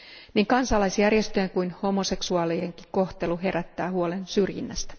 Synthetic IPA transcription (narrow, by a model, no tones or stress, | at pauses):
niːŋkɑnsɑlːɑjsjærjest̪øeŋkujnho̞mose̞ksuɑːlijeŋki̥ko̞ht̪e̞luɦe̞ɾæt̪ːæːhuo̞lensyrjḭnːæ̰st̪æ̥